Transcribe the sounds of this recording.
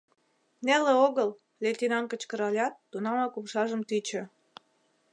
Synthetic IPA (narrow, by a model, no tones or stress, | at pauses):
nelĕoɣəl | let̪ʲinɑŋkə̆t͡ɕkə̆ɾɑlʲɑt̪ːunɑmɑkupʃɑʒəmt̪yt͡ɕə̆